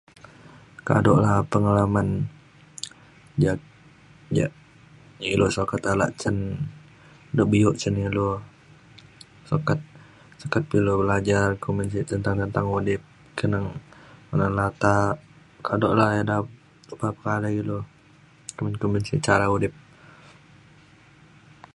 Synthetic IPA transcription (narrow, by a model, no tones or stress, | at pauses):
ka̰dɔʔlahpəŋalaman | d͡ʒa | d͡ʒaʔ | ilosokat̪ala̰ʔt͡ʃən | doʔbijɔʔt͡ʃənilo | sokat̪̚ | səkat̪̚pilubəlad͡ʒarkuminsit̪ənt̪aŋt̪ənt̪aŋudɪp̚ | kənaŋmanalat̪a | kʰadoʔlaheda | upapə̥kalailo | kamənkumbinsḭt͡ʃaɾaudɪp̚